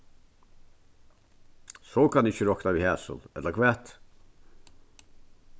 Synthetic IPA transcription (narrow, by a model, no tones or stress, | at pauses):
sɔːkʰanɪçəɾɔknaʋihɛːsə̰lɛt̪ləɾkʰʋɛt̪